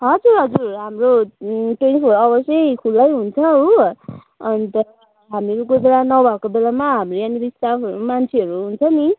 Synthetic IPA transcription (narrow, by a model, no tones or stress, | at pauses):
ɦʌd͡zurɦʌd͡zurɦamroʈensoɾʌbʌsjʌjkʰulːʌjɦunt͡sʰʌɦo | nit̪ʌɾʌ | ɦamiɾukobeɽanʌbʱakobelamaɦamrojanibist̪afʌɾumant͡sʰeɦʌɾuɦunt͡sʰʌni